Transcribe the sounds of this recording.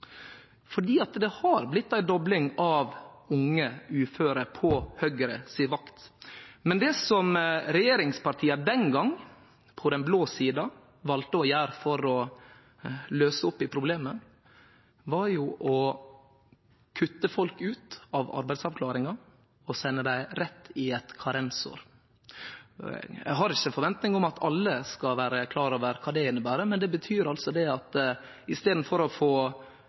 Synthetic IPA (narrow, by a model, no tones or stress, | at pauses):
fɔɖiːɑt̪d̪ɛhɑɾblɪt̪ːæɪd̪ɔblɪŋɑʋʊŋːəʉːføːɾəpʰɔhœɡɾə̰siːʋɑkt̪mɛnd̪ɛsɔmɾɛjeːɾɪŋspʰɑɾʈʰiːɑd̪ɛnɡɑŋ | pʰɔd̪ɛnbloːsiːd̪ɑ | ʋɑlt̪əɔjæːɾfɔɾɔ | løːsəɔpːɪpʰɾʊbleːmə | ʋɑɾjʊʔɔ | kʰʉt̪ːəfɔlkʉːt̪ɑʋɑ̰ɾbæɪd̪sɑʋkʰlɑːɾɪŋɑ | ɔsɛnːəd̪æɪɾɛt̪ːɪɛt̪kʰɑɾɛnso̰ːɾ | ɛ̰ɦɑɾɪçːəfɔɾʋɛnt̪nɪŋɔmɑt̪ʰɑlːəskɑʋæːɾəkʰlɑːɾoːʋəɾkʰɑːd̪ɛɪnːəbæːɾəmɛnd̪ɛbət̪ʰyːɾɑlsɔd̪ɛɑt̪ | ɪst̪eːd̪n̩fɔɾɔfoː